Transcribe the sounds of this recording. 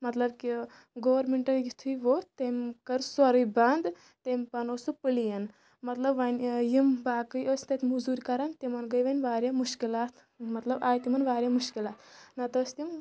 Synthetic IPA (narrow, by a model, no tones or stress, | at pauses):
mɐt̪lɐb̚ki | ɡoʋɐɾmeɳʈɐjit̪ʰujʋoːt̪emkɐɾswɐɾɨjband̪ | t̪empɐnosupɨlijɐn | mɐt̪lɐbʋɐnʲjimbaːkɨjoːsʲt̪ɐt̪ʰʲmuzuːɾʲkɐɾɐnt̪imɐnɡɐjʋɐnʲʋaːɾʲjaːmuʃkilaːt̪ʰ | mɐt̪lɐbaːjt̪imɐnʋaːɾʲjaːmuʃkilaːt̪nɐt̪ɐsʲt̪im